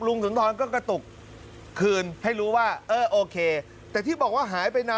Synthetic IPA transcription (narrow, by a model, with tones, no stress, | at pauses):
lu˧ŋsu˩˦nt̪ʰɔː˧nkɔː˥˩ka˥˩t̪u˨˩kʰː | ɯː˧nha˥˩jɾuː˦˥waː˥˩ʔɤː˧˩ʔoː˧kʰeː˧ | t̪ɛː˨˩t̪ʰiː˥˩bɔː˨˩k̚waː˥˩ɦaː˩˦jpa˧jna˦